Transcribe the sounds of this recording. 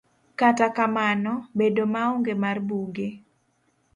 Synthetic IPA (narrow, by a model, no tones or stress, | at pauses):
katakamanɔbedomaoŋɡemarbuɡe